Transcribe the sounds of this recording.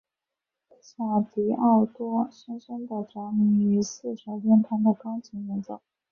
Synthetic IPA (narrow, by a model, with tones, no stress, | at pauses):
ɕa˥˩t̪i˧˥ʔa˥˩t̪wɔ˥ɕɛ˥nʂə˥nt̪ə˥˩ʈ͡ʂɑ˧˥ŋy˧˥sɹ̩˥˩ʂɑ˧˥pɛ˥nt̪ʰa˥md̪ə˨˩kɑ˥ŋt͡ɕʰi˧˥ŋjɛ˧˥nt͡so̰˥˩ʊ